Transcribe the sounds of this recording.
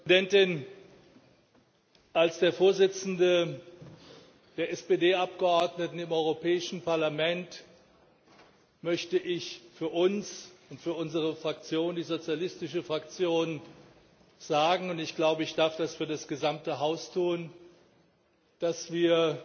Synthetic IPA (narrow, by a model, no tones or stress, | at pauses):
dɛntɪn | ʔalsd̥eːɐfoːɐzɪt͡sn̩də | d̥eːɐʔɛspedeːʔap̚ɡ̥əʔɔɐdnətn̩ɪmʔɔʏʁopɛːɪʃn̩pʰaɐlamɛnt | mœçtəʔɪçfyːɐʔʊnsʊntfyːɐʔʊnzəʁəfʁ̥akt͡sjoːndiːzot͡sjalɪstɪʃəfʁ̥ak̚t͡sjoːn | z̥aːɡŋ̩ʊntɪçɡ̥laʊbəɪçd̥aɐfd̥asfyːɐdasɡ̥əzamtəɦaʊstʰuːn | d̥asv̥iːɐ